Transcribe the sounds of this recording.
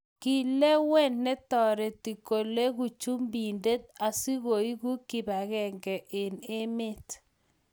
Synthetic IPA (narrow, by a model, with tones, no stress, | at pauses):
ki˨le˦wɛ˦nːe˦tɔ˨ɾe˨ti˨ko˨le˦ɣu˨t͡ʃu˦mbi˨nde˦t̚a˨si˦ɣo˨i˦ɣu˦ki˨ba˨ɣɛ˨ŋɡɛ˨ʔe˨ne˦me˦t